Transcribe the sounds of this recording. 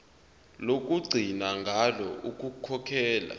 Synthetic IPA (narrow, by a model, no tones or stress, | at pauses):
lok̬ʼuɡ͡ǀʱinaŋɡʱalɔukʼukʰɔkʰɛːla̰